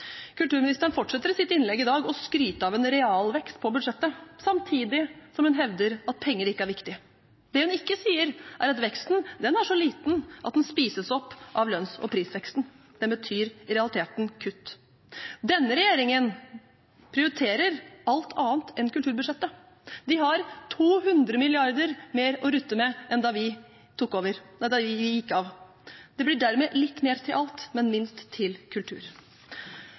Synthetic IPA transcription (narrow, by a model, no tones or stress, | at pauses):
kʰʉlt̪ʉːɾmɪnɪst̪əɳ̩fɔʈʂɛt̪ːəɾɪsɪt̪ːəɪnlɛɡːɪd̪ɑːɡɔskɾyːt̪əɑːʋɛnɾɛɑːlʋɛkst̪pʰɔbʉd̪ʂɛt̪ːəsɑmt̪ʰiːd̪ɪsɔmhʉnɦɛʋd̪əɾɑt̪̚pʰɛŋːəɾɪkːəæɾʋɪkt̪ɪ | d̪ɛhʉnɪkːəsiːəɾʔæɾɑt̪ʋɛkst̪n̩d̪ɛnæʂɔliːt̪nʔɑ̰t̪̚d̪ɛnspiːsəsɔpːʔɑʋlœnsɔ̰pʰɾiːsʋɛkst̪n̩ | d̪̥ɛbət̪ʰyːɾɾɛɑlɪt̪ʰeːt̪nkʰʉt̪ː | d̪ɛnːəɾɛjeːɾɪŋən | pʰɾɪʊɾɪt̪ʰeːɾəɾɑlt̪ʰɑːənt̪ʰɛnkʉlt̪ʉːɾbʉʂɛt̪ːə | d̪ɪɦɑɾt̪ʰuːɦʉnd̪ɾəmɪlɪɑɾd̪əɾmeːɾɔɾʉt̪ːəmɛʔɛnd̪ɑʋɪ | t̪ʰʊkːoːʋəɾd̪ʋɪʋɪjɪkːəɑʋ | d̪̥ɛblɪɖæɾmeːlɪt̪ːmeːɾt̪ʰɪlʔɑlt̪mɛnmɪnst̪ʰːɪlkʰʉlt̪ʰʉ̰ːɾ